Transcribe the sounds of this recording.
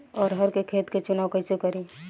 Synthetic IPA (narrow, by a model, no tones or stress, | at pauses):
ɔːɾɦəɾkekʰeːt̪ket͡ʃʊnaːwkəɪsekəɾi